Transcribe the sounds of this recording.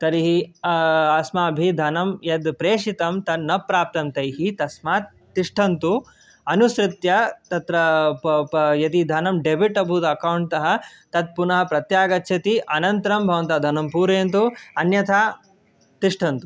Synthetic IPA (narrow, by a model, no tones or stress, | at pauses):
t̪ɐɾiɦi | ɐsmaːɐbʱid̪ʱɐnɐmjɐd̪pɾeːʂit̪ɐmt̪ɐnɐpɾaːp̚t̪ɐmt̪ɐjɦit̪ɐsmaːt̪ːiʂʈʰɐnt̪u | ɐnusɾɪt̪jɐt̪ɐt̪ɾɐ | jɐt̪id̪ʱɐnɐmɖebʱiʈɐbʱud̪ɐkɐwɳʈt̪ɐɦɐ̆t̪ɐd̪̚punɐɦɐ̆pɾɐt̪jaːɡɐt̪ːʃʰɐt̪iʔɐnɐnt̪ɐɾɐmbʱɐʋɐnt̪ɐd̪ʱɐnɐmpuːɾeːnt̪uɐnjɐt̪ʰaː | t̪iʂʈʰɐnt̪u